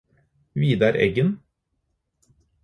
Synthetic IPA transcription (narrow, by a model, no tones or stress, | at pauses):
ʋiːd̪ɑɾʔɛ̰ɡən